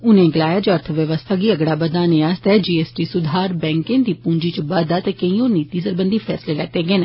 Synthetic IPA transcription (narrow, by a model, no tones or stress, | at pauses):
ʊnẽːɡəlaːjaːd͡ʒoəɾt̪ʰəʋjəʋəst̪ʰaːɡiːəɡɽaːbəd̪aːneːast̪ɛːd͡ʒiːeːsʈiːsʊd̪ʱaːɾbɛ̃ːŋkɪ̃nd̪iːpũːɲd͡ʒiːt͡ʃəbəd̪aːt̪eːkəĩːoːniːt̪iːs̬əɾbənd̪iːpʰɛːsleːlɛːt̪eːɡeːn